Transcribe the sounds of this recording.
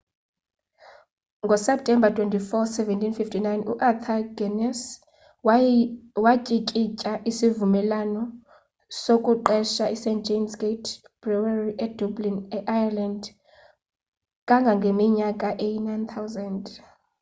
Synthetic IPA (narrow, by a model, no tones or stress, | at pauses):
ŋɡʱɔsɛp̚tʰʼɛmbatʰwɛntifɔsɛvɛntʰinfiftʰinajnṵʔat̪ʰaɡɛnɛs | wacʼikʼicʼaʔisivumɛlanɔ | sokʼuǃɛʃaʔisɛnd͡ʒʱemsɡetʰ | b̥rawariʔɛd̥ublinɛʔajaland | kʼaŋɡʱaŋɡʱemiɲakʼaʔejinajnt̪ʰawzand